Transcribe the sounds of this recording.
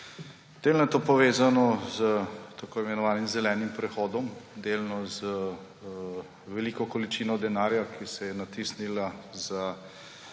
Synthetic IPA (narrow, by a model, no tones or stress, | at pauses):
d̪̥eːlnɔjɛt̪oːpɔʋeːzanɔzət̪akoːimɛnɔʋaːnimzɛlɛːnimpɾɛxɔːd̪ɔmd̪elnɔzə | ʋɛlikɔkɔlit͡ʃiːnɔd̪ɛnaːɾjakʰisɛjɛnat̪isnilaza